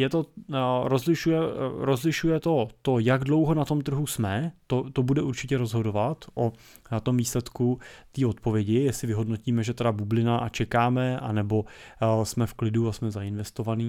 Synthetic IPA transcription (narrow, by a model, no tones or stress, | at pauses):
jɛt̪o̞ɾo̞zlɪʃujɛɾo̞zlɪʃujɛt̪o̞t̪o̞jaɡdlo̞wɦo̞nat̪o̞mt̪r̩ɦusmɛt̪ot̪obudɛʔuɾt͡ʃɪcɛɾo̞zɦo̞do̞vat̪ʔo | t̪o̞mviːslɛt̪kut̪iːo̞t̪̚po̞vjɛɟɪjɛsɪvɪɦo̞dno̞ciːmɛʒɛt̪ɛdabublɪnaʔat͡ʃɛkaːmɛa̰nɛbo̞smɛfklɪduasmɛzaɪnvɛst̪o̞vaniː